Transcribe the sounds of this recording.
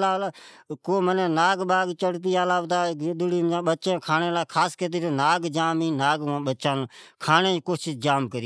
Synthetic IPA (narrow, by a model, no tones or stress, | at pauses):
laːla | koːmənẽːnaːɡɓaːɡt͡ʃəɽt̪iːaːlaːʋt̪aːɡd̪ʊɽiːmd͡ʒãːɓət͡ʃẽːkʰaːneːlaːkʰaːskət̪̬iːtoːnaːɡd͡ʒaːmiːnaːɡãːɓət͡ʃãːnːkʰaːnẽːkoːʃɪsd͡ʒaːmkəɾi